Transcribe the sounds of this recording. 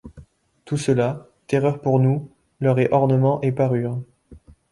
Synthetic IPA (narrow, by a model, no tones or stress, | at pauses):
t̪usəla | t̪eʁœʁpuʁnu | lœʁɛʔɔʁnəmɑ̃ʔepaʁyːʁ